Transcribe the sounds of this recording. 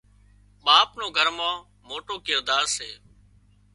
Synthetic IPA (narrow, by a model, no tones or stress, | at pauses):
ɓaːpnõːɡʱəɾmãː | moːʈoːkɪɾd̪aːɾseː